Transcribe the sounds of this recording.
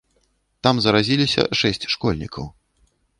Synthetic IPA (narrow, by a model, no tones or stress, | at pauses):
t̪amzɐɾazʲilʲisʲɐ̰ʂɛsʲt͡sʲʂkɔlʲnʲḭkʰɐ̰w